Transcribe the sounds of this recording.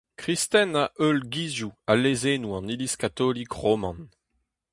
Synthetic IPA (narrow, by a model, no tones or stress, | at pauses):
kʁist̪ɛnaʔølɡizjualezenuɑ̃niliskat̪ɔlikʁomɑ̃n